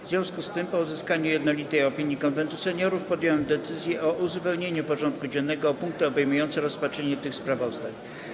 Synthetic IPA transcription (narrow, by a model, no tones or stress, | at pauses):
vzvʲjɔ̃w̃skust̪ɘmpɔuzɘskaɲujɛd̪nɔlʲit̪ɛjɔpʲiɲjikɔnvɛnt̪usɛɲɔɾufpɔd̪ʲjɔwɛmd̪ɛt̪sɘzʲjɛʔɔʔuzupɛwɲeɲupɔʐɔnt̪̚kud͡ʑɛnːɛɡɔːpuŋk̚t̪ɛɔbɛjmujɔnt̪sɛɾɔspat͡ʂʂɛɲɛt̪ɘxspɾavɔzd̪aɲ